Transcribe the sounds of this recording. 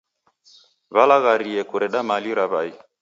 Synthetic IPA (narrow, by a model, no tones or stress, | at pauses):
βalaɣaɾiɛkuɾɛɗamaliɾaβai